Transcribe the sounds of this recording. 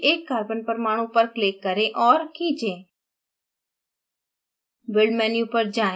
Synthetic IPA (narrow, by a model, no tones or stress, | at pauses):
ʔeːkːaːɾbənpəɾmaːɽ̃ũpəɾkleːkːəɾẽʔɔːɾkid͡ʒẽː | bɪɭmɛːniʊpəɾd͡ʒãː